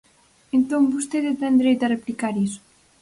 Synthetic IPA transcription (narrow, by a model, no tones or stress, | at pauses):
ent̪oŋbust̪eðet̪ɛnd̪ɾejt̪areplikaɾiso̥